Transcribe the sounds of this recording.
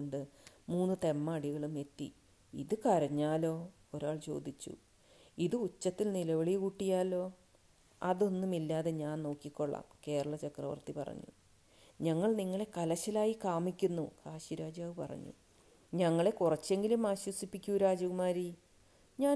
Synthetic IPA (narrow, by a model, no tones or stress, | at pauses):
ɳɖɨmuːnːɨt̪e̞mːɐːɽiɣɐɭume̞t̪ːḭ | iðɨkɐɾɐɲːaːlo̞ː | o̞ɾaːɭt͡ɕo̞ːd̪it͡ɕːṵ | iðɨut͡ɕːɐt̪ːilnilɐʋɐɭikuʈːijaːlo̞ː | ɐðo̞nːumilːaːðe̞ɲaːnno̞ːkːikʲːo̞ɭːa̰ːmke̞ːɾɐɭɐt͡ɕɐkrɐ̰ʋɐ̰rt̪ipɐ̰rɐ̰ɲːṵ | ɲɐŋːɐɭniŋːɐɭe̞kɐlɐɕɐlaːjikaːmikʲːunːukaːɕiɾaːd͡ʑaːʋɨpɐ̰rɐ̰ɲːṵ | ɲɐŋːɐɭe̞kurɐt͡ɕːe̞ŋɡilumaːɕwɐsipːikʲːuɾaːd͡ʑɐɣumaːɾi | ɲaː